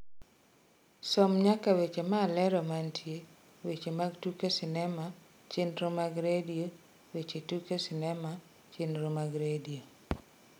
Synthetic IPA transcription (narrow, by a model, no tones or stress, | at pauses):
sɔmɲakawet͡ʃemaːlɛɾɔmantʰje | wet͡ʃemaɡtukesɪnɛma | t͡ʃenɾomaɡɾedio | wet͡ʃetukesɪnɛma | t͡ʃenɾomaɡɾedio